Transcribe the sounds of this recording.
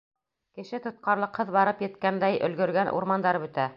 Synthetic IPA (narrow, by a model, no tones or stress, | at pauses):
kɘ̆ʃɘt̪ŏt̪̚qɑɾlˠɤ̆qhɤðβɑɾɤpjɘ̆t̪kænd̪æjʔɵ̰̆lɡɵ̆ɾɡænʔṵɾmɑnd̪ɑɾɤbɵ̆t̪æ